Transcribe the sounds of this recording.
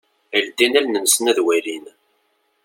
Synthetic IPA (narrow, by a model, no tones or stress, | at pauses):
əld̪inælnənsənæðwæɾin